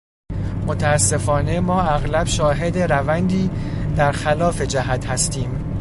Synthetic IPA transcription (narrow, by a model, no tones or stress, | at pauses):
mot̪ʰæːsːe̞fɒːne̞mɒːæɣlæb̥ʃɒːɦe̞d̪e̞ɾævænd̪iːd̪æɾxælɒːfe̞d͡ʒæɦæt̪ʰhæst̪ʰiːm